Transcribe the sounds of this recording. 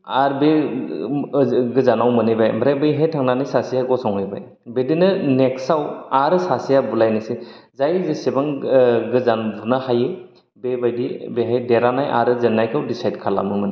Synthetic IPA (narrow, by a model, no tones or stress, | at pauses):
aɾbe | ɡɯzanawmɯnɯjbajmaɾabɯjɦajtʰaŋnanɯjsasijaɡɔsɔŋɯjba̰j | bedinɯneksawaɾɯsasijabulajnɯsizajɾizesebaŋɡɯzanbunahajɯ | bebajdibeɦajdeɾanajʔa̰ɾɯzenːajkʰawdisajdkʰala̰mnɯmɯna